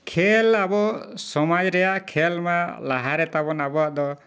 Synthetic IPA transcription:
kʰelabɔsɔmad͡ʒɾɛjaʔkʰelmalaɦaɾɛt̪abɔnabɔaʔd̪ɔ

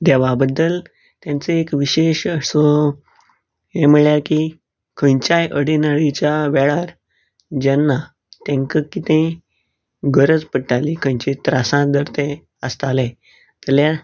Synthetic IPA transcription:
d̪eʋabəd̪ːəl | t̪jãnt͡seekʋiɕeɕəso | ɦem̤əɭjaɾki | kʰə̃jt͡ɕajʔəɽinaɭit͡ɕaʋɛɭaɾ | d͡ʑɛnːa | t̪ẽŋkəkit̪ẽ | ɡəɾəd͡zpəʈːalikʰə̃jt͡ɕet̪ɾasãd̪əɾt̪ẽ | əst̪ale | t̪əlja

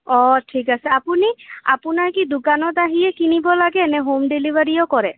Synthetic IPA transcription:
ɔʈʰikasɛapunia̰punakid̪ukanɔt̪aɦiekinibɔlaɡeːneɦomɖilibaɾijɔkɔɾɛ

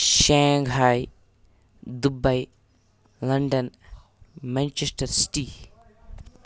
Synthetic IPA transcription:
ʃɛŋɡɦaːj | d̪ubɐj | lɐɳɖɐn | mɛnt͡ʃesʈɐɾsi̥ʈi

